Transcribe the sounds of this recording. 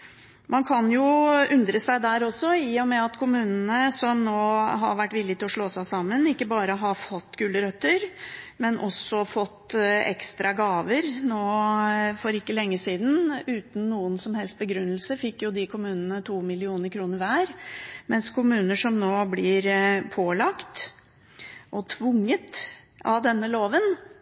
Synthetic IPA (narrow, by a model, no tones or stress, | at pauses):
mɑnkʰɑnjʊʉnd̪ɾəsæɪd̪æɾɔsːɔiːɔmɛɑt̪kʰʊmʉːnənəsɔmnoːɦɑ̰ɾʋæʈːʋɪlːɪt̪ʰɪlɔʂɭoːsæɪsɑmːənɪkːəbɑːɾəɦɑfɔt̪ːɡʉːləɾœt̪ːəɾmɛnʔɔsɔfɔt̪ːɛ̰kst̪ɾɑɡɑːʋəɾnoːfɔɾɪkːəlɛŋːəsiːd̪n̩ʉːt̪n̩ːuːənsɔmhɛlst̪̚bəɡɾʉnːlsəfɪkːjʊd̪ɪkʰʊmʉːnənət̪ʰuːmɪlɪuːnəɾkʰɾuːnəɾʋæːɾmɛnskʰʊmʉːnəʂɔmnoːblɪɾpʰoːlɑkt̪ | ʔɔt̪ʰʋʊŋːət̪ | ɑ̰d̪ɛnːəloːʋən